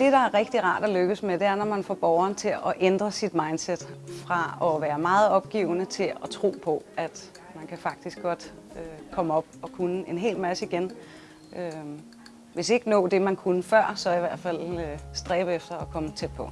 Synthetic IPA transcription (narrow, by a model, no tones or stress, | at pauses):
d̥e̝ɾ̥ɑ̈æɐʁɛɡ̥̚d̥iʁɑ̰̈ːd̥ɒløɡ̥əsmed̥e̝æɐnɒmænfɒ̰ːb̥ɒʊɐːnət͡sʰe̝lɒʔend̥ʁɐsid̥mɑ̈ɪnd̥sed̥fʁɑ̈ɒʋæːɐmɑ̈ːð̞̩ˠɒ̽b̥̚ɡ̥ḭʊnət͡sʰe̝lɒt͡sʰʁo̝̰ːpʰɒ̽æd̥ | mænkʰæfɑ̈ɡ̥̚d̥isɡ̥ɒ̽d̥økʰɒ̽məɒ̽b̥̚ɒ̽kʰunəe̝nɦe̝̰ːlmæsəiɡ̥en | ʔø | ʋe̝se̝ɡ̥ənɔ̰̽ːd̥e̝mænkʰunəfɶɐ̰sɒ̽iʋæɐ̰d̥fæl̰øsd̥ʁɛːb̥əefd̥ɐɒ̽kʰɒ̽mət͡sʰed̥̚pʰɒ̽